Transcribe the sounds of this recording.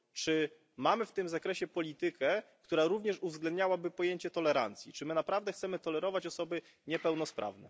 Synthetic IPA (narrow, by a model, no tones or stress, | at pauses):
t͡ʂɘ | mamɘft̪ɘmzakɾɛɕɛpɔlʲit̪ɘkɛk̚t̪uɾaɾuvɲɛʂuvzɡlɛnd̪ɲawabɘpɔjeɲt͡ɕɛt̪ɔlɛɾant̪sʲjit͡ʂɘmɘnapɾavd̪ɛxt̪sɛmɘt̪ɔlɛɾɔvat͡ɕɔsɔbɘ | ɲɛpɛwnɔspɾʔa̰vnɛ̰